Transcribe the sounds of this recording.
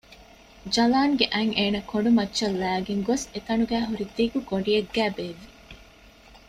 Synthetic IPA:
d͡ʒɐlaːŋɡeʔæŋeːnɐkoɖumɐtːʃɐlːæːɡeŋɡoset̪ɐnuɡæːɦuɾid̪iɡuɡoɳɖieɡːæːbeːʋːi

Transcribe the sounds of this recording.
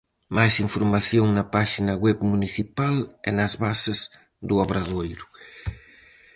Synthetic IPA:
majsiɱfoɾmaθjoŋnɐpaʃinɐɣwɛβmuniθipalɛ̰nɐzβasez | ðuaβɾaðojɾʊ

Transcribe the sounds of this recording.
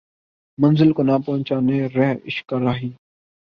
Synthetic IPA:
mənzɪlkoːnaːpɔːnt͡ʃaːneːɾɛːɪʃkaɾaːɦiː

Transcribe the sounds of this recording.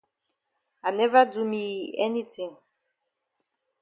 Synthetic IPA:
anɛvədumiɛnitʰĩŋ

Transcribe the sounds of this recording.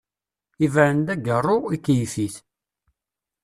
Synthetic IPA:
ivəɾənd̪æɡərˤːʊikːjfiθ

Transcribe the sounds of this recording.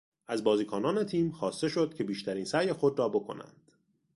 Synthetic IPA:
ʔæzbɒːziːkʰɒːnɒːne̞t̪ʰiːmxɒːst̪e̞ʃo̞d̪̥̚cʰe̞biːʃt̪ʰæɾiːnsæjexo̞d̪ɾɒːbo̞kʰo̞̰næ̰nd̪̥

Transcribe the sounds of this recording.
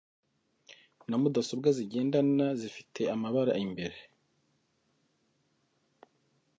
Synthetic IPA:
namudasobɡaziɟe̞ːndanazifi̥tʰe̞amaβaɾa̰imbe̞ɾe̞

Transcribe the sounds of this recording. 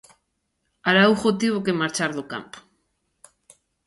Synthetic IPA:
aɾauxot̪iβokemaɾt͡ʃaɾðoka̰mpo̥

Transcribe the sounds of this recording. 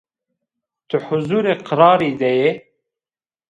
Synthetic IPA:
t̪ʰəħuzuːɾeqʰɨɾɑːɾiːd̪ɛje

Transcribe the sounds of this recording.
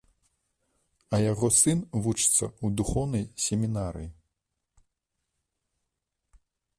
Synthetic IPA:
ɐjaɣɔsɨnvut͡ʂɨ̥t̪sːɐ̰ud̪uxɔwnɐjsʲɛmʲinaɾɨ̰ji

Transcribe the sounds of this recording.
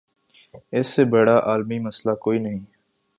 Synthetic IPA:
ɪsːeːbeːɽaːʔaːlmiːməslaːkoːiːnəɦĩː

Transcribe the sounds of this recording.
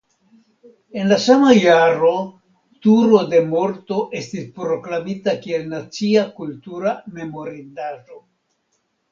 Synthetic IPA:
e̞nlasamajaɾo̞ | tuɾo̞de̞mo̞ɾto̞ʔe̞stispɾo̞klamitakie̞lnat͡siakultuɾame̞mo̞ɾidaʒo̞

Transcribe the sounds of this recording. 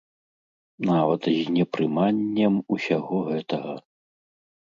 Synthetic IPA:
navɐt̪zʲnʲɛpɾɨmanʲːɛmusʲaɣɔɣɛt̪ɐɣɐ

